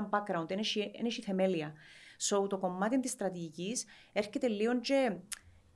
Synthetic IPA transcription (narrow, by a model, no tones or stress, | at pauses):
ɐmbakːɾɐunt̪eneʃiḛneʃiθe̞meliɐsout̪o̞ko̞mːɐt̪int̪ist̪ɾɐt̪iʝicis | eɾcet̪elːiont͡ʃe